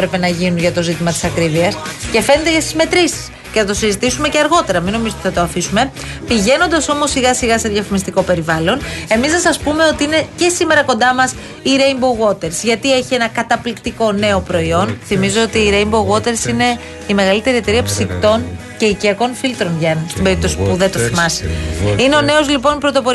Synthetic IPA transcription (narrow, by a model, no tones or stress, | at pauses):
ɾepe̞nɐʝinunʝɐt̪o̞zit̪imɐt̪i̥sɐkɾiviɐsce̞fe̞ned̪eʝɐst̪izme̞t̪ɾisi̥s | cenɐt̪osizit̪isume̞ceɐɾɣo̞t̪e̞ɾɐmino̞mizot̪iθɐt̪oɐfisume̞ | piʝe̞no̞nd̪ɐso̞mo̞sːiɣɐsiɣɐseðʝɐfimist̪iko̞pe̞ɾivɐlo̞ne̞misnɐsɐspume̞o̞t̪iine̞ce̞sime̞ɾɐko̞nd̪ɐmɐs | iɾeimboɣo̞t̪e̞ɾsʝɐt̪ie̞çie̞nɐkɐt̪ɐplikt̪iko̞ne̞o̞pɾo̞io̞nθimizo̞ot̪iːɾeimboɣo̞t̪e̞ɾsine̞ | ime̞ɣɐlit̪e̞ɾiet̪e̞ɾiɐpsikt̪o̞n | ce̞iciɐko̞nfilt̪ɾonʝɐnst̪imbeip̚t̪o̞si̥puðet̪oθimɐsi̥ine̞o̞ne̞o̞zlipo̞npɾo̞t̪o̞po̞ɾ